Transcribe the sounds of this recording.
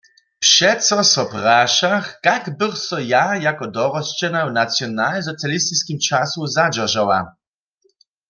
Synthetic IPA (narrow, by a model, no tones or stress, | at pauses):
pʂɛt̪sɔsɔpraʃaxkakbɘχsɔjajakɔd̪ɔɾɔst͡ʃɛnawnat̪sjɔnalzɔt̪sʲjalist̪iskʲimt͡ʃasuzad͡ʑaʒawa̰